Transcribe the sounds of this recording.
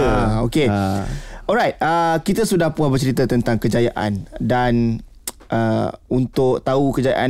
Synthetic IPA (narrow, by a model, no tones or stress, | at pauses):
aoke | ɔlɾajt̪̚əkit̪əsudahpuabərt͡ʃəɾit̪ət̪ənt̪aŋkəd͡ʒajaʔa̰ndan | ʔəunt̪ʊkt̪aukəd͡ʒaja̰ʔa